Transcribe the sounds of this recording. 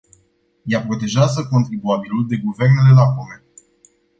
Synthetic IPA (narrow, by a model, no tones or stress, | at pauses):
japɾo̞t̪e̞ʒazəko̞nt̪ɾibuabiluld̪e̞ɡuve̞rne̞le̞lakome̞